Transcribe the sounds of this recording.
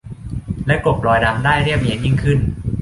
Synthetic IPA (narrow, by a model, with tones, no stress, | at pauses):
lɛ˦˥klo˨˩p̚lɔː˧jna˧mdaː˥˩jɾi˥˩əp̚ɲi˧ənji˥˩ŋkʰɯ˥˩n